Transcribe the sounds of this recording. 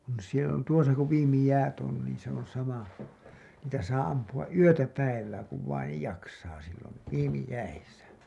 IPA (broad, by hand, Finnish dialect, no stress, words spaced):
on sielæ tuosɑ ku ʋiːmi jæːt on niːn se on sɑmɑ niːtæ sɑː ɑmpuɑʔ ʔyøtæ pæiʋæː kuʋ ʋɑinej jɑksɑː silːon̞ ʋiːmi jæisæ